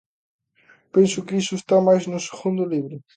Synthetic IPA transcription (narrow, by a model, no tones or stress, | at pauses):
pẽnsʊkɪisʊest̪amajznʊseɣũnd̪ʊliβɾʊ